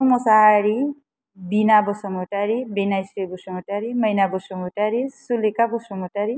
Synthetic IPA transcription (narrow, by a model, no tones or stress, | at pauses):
mɔsaɦaɾi | binabɔsɔmɔʈaɾibenajsɾibɔsɔmɔʈaɾiməjnabɔsumɔʈaɾisulikabɔsɔmɔʈaɾi